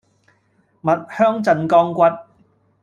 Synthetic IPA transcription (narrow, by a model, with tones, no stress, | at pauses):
mɐ˨t̚hœː˥ŋt͡sɐ˧nkɔː˥ŋkʷɐ˥t̚